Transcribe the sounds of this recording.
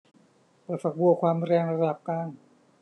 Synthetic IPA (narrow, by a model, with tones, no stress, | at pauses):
pɤː˧˩fa˨˩k̚bu˧ɐkʰwaː˧mɾɛː˧ŋɾa˧da˨˩p̚kaː˧n